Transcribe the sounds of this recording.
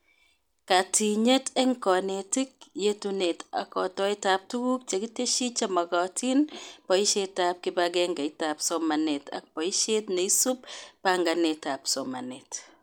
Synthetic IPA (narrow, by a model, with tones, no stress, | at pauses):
ka˨ti˨ɲe˦tɛ˦ŋkɔ˨ne˨ti˦k̚je˦tune˨ta̰˨kɔ˨tɔ˦i˦tap̚tu˦ɡu˦k̚t͡ʃe˨ki˦te˦ʃi˦t͡ʃa˦ma˨ɡɔ˨tʰi˦npɔ˨i˦ʃe˦tːa˦p̚kɪ˦baɡɛ˦ŋɡa˨i˦ta˨psɔma˨ne˨ta̰˨k̚pɔ˨i˦ʃe˦tne˨i˦su˦pːaŋɡa˨neta˨psɔma˨net